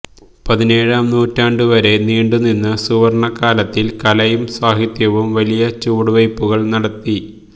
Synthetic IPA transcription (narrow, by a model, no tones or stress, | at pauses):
pɐðine̞ːɻaːmnuːtːaːɳɖuʋɐɾe̞niːɳɖuninːɨsuʋɐrɳɐkːaːlɐt̪ːilkɐlɐjumswaːɦit̪jɐʋumʋɐlijɐt͡ɕuːɽuʋɐjpːuɣɐɭnɐɽɐt̪ːi